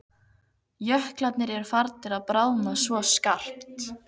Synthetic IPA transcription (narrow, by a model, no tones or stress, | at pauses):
jœhklat̪nɪɾɛɾ̥faɾt̪nɪɾaðpɾaːwnasvɔskar̥pt̪